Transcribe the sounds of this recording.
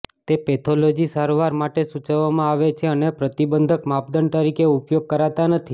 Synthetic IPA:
tt̪epet̪ʰolod͡ʒisaɾʋaɾmaʈesut͡ʃəʋːamãaʋet͡ʃʰeənepɾət̪ibənd̪ʱəkmap̚d̪ənt̪əɾikeupjoɡ̚kəɾat̪anət̪ʰi

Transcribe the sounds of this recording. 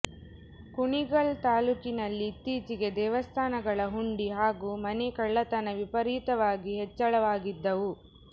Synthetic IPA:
kuɳiɡɐɭt̪aːlukinɐlːiːt̪ːiːt͡ʃiɡe̞d̪ɛːʋɐst̪ʰaːnɐɡɐɭɐɦuɳɖiɦaːɡuːmɐnekɐɭːɐt̪ɐnɐʋipɐɾiːt̪ɐʋaːɡiɦɛt͡ʃːɐɭɐʋaːɡid̪ːɐʋu

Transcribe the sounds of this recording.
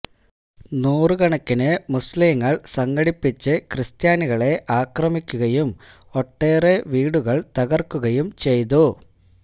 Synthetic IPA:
nuːrɨkɐɳɐkːinɨmusliːŋːɐɭsɐŋɡɐɽipːit͡ɕːɨkrɨst̪jaːniɣɐɭe̞ʔaːkrɐmikʲːuɣɐjum | oʈːe̞ːreʋiːɽuɣɐɭt̪ɐɣɐrkːuɣɐjumt͡ɕe̞jt̪̬u

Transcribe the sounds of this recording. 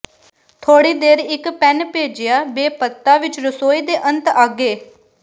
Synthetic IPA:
t̪ʰoːɽiːd̪eːɾɪkpɛnpeːd͡ʒɪjaːbeːpət̪ːaːʋɪt͡ʃɾəsoːiːd̪eːʔənt̪aːɡeː

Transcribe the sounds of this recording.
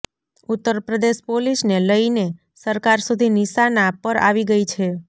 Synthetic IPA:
ut̪ːəɾpɾəd̪eʃpolisneləine | səɾkaɾsud̪ʱiniʃanapəɾa̰ʋiɡəit͡ʃʰe

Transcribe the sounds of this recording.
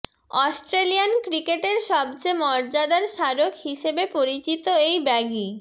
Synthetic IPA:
ɔsʈɾelijankɾikeʈeɾʃɔb̚t͡ɕemɔɾd͡ʑad̪aɾʃaɾokhiʃebepoɾit͡ɕit̪oejbɛɡi

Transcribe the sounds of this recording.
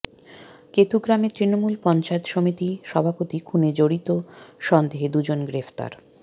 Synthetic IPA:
ket̪uɡɾamet̪ɾinomulpɔnt͡ɕaet̪ʃomit̪iʃɔbʱapot̪ikʰuned͡ʑoɽit̪oʃɔnd̪eɦed̪ud͡ʑonɡɾeft̪a̰ɾ

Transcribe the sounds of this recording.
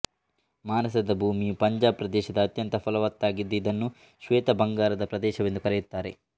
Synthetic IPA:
maːnɐsɐd̪ɐbʱuːmijupɐɲd͡ʒaːbpɾɐd̪ɛːʃɐd̪ɐɐt̪jɐnt̪ɐfʰɐlɐʋɐt̪ːaːɡid̪ːeid̪ɐnːu | ʃʋeːt̪ɐbɐŋɡaːɾɐd̪ɐpɾɐd̪ɛːʃɐʋend̪ukɐɾɛjut̪ːaːɾe̞̰

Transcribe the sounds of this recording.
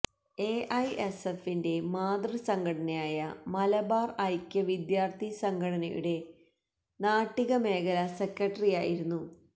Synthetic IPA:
e̞ːʔɐjesefːinde̞maːd̪rɐsɐŋɡʱɐʈɐnɐjaːjɐmɐlɐbaːrɐjkʲːɐʋid̪jaːrt̪ʰisɐŋɡʱɐɽɐnɐjṵɽe̞ | naːʈːiɣɐme̞ːɣɐlɐsekːɐʈːɐrijaːjiɾunːu

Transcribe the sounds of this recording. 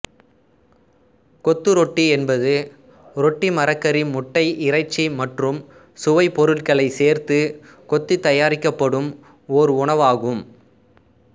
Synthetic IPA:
kɔt̪ːɯɾɔʈːiɛnbɐðɯ | ɾɔʈːimɐɾɐkːɐɾɪnmʊʈːɐɪʔɪɾɐɪt͡ʃːimɐʈrɯm | sʊʋɐɪpːɔɾɯɭkɐɭɐɪseːɾt̪ɯ | kɔt̪ːɯt̪ːɐjaːɾɪkːɐpːɐɽɯm | ɔɾɯʊɳɐʋaːɣɯm

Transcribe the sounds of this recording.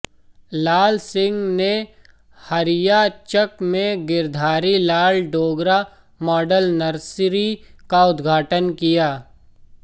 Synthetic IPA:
laːlsɪ̃ŋɡne | hɐɾɪjat͡ʃəkmẽɡɪɾd̪ʱaːɾilaːlɖoːɡɾa | mɔːɖəlnɐɾsɾikaʊd̪ɡʱaːʈənkijaː

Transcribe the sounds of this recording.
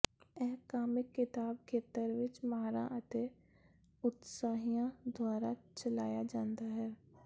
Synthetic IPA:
ɛɦkaːmɪkːɪt̪aːb̚kʰeːt̪əɾʋɪt͡ʃmaːɾã̰ʔət̪e | ʊt̪saːɦijãd̪ʱwaːɾat͡ʃəlaːjad͡ʒãːnd̪aɦɛː

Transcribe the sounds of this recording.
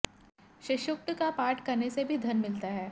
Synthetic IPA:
ʃɪʃʊk̚t̪kapaːɾʈkɐɾnesebʱid̪ʱɐnmɪlt̪aɦɛː

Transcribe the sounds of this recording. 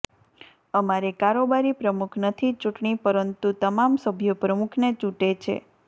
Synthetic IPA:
əmaɾekaɾobaɾipɾəmukʰnət̪ʰit͡ʃũʈɳipəɾənt̪ut̪əmamsəbʱjopɾəmukʰnet͡ʃũʈet͡ʃʰḛ

